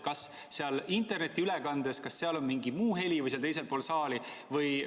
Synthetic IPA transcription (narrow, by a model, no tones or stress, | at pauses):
kɑs | seɑlint̪ˑe̞rne̞t̪ːˑiylekɑnd̪̥eskɑsːe̞ɑlo̞nmiŋɡimuːɦe̞lʲivɯjseɑlt̪ejs̬e̞lpo̞ːlsɑːli | vɤj